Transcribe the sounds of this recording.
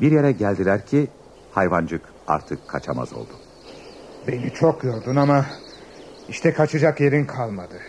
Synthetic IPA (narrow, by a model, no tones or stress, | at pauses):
biɾjeɾɛɟælʲd̪ilʲæɾcʰi | hajvand͡ʒɯk | a̰ɾt̪ʰɯkʰːat͡ʃʰama̰zo̞̰lˠd̪u | benit͡ʃʰokjoɾd̪unama | iʃt̪ʰɛkʰat͡ʃʰɯd͡ʒakje̞ɾinkʰalˠmad̪ɯ